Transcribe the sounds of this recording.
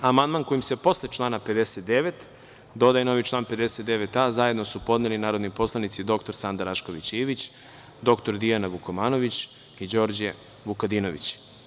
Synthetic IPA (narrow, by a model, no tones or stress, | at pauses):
amand̪manko̞jimsepo̞slet͡ʃlˠaːnape̞d̪eset̪̚d̪e̞ʋet̪ | d̪o̞d̪ajeno̞ʋit͡ʃlˠaːnpe̞d̪e̞set̪d̪eʋet̪azaje̞d̪nosupo̞d̪nelinaːɾod̪nipo̞slˠanit̪sid̪o̞kt̪o̞ɾsand̪aɾaʃko̞ʋit͡ɕiːʋit͡ɕ | d̪o̞kt̪o̞ɾd̪ijanaʋukomaːno̞ʋit͡ɕ | id͡ʑo̞ːɾd͡ʑe | ʋukad̪ino̞ʋḭt͡ɕ